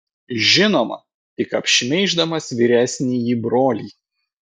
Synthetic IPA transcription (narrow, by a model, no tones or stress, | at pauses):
ʒʲɪnoːmɐ̰ | t̪ʲɪkɐpʲʃʲɪmʲɛɪʒd̪ɐmɐsʋʲiːɾʲæsʲnʲiːjiːbɾoːlʲiː